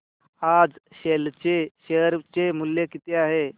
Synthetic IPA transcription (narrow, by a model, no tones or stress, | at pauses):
ad͡zɕelt͡ɕeɕeɦəɾt͡ɕemulːjekit̪eaɦe